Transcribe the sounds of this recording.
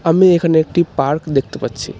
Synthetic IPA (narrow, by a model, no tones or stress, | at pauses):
əmiekʰənek̚ʈipaɾkd̪ekʰt̪pətt͡ʃʰḭ